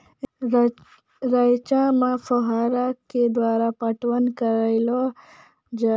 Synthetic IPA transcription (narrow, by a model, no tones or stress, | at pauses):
ɾajt͡ʃãmafoɦaːɾaked̪waːɾapɐʈwənkəɾəjlo | d͡ʒ